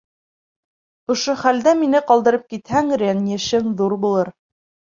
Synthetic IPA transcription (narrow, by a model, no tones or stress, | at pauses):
ŏʃoχæld̪æminɘqɑlˠd̪ɤ̆ɾɤp̚kit̪hæŋɾʲenjɘ̆ʃɘŋðuɾbulˠɤɾ